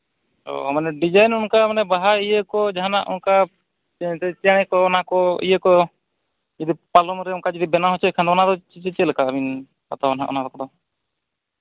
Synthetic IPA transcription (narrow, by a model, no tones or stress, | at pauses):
ɔ̰manɛɖid͡ʒajnunkamanɛbaɦaijəkɔd͡ʒaɦanaʔṵnka | t̪ɛt͡ʃaɽ̃ɛkɔɔnakɔḭjəkɔ | d͡ʒɛd̪ipalɔmɾɛunkad͡ʒɛd̪ibɛnaɦɔt͡ʃɔkʰand̪anad̪ɔt͡ʃt͡ʃɛt͡ʃɛlɛkaəbin | at̪ɔɔna̰ʔɔ̰nad̪ɔkɔd̪ɔ